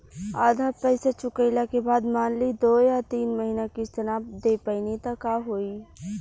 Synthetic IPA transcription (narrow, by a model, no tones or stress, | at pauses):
aːd̪ʱapɛɪset͡ʃʊkəɪlakebaːd̪maːnlid̪oːjat̪iːnməɦinakist͡ʃənaːb̚d̪epəɪnit̪əkaɦoːi